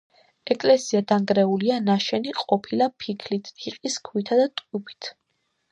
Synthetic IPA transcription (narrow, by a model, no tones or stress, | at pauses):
ɛkʼlɛsiad̪aŋɡɾɛulianaʃɛniqʼɔpʰilapʰikʰlit̪ʰiqʼiskʰwit̪ʰad̪at̪ʼkʼubit̪ʰ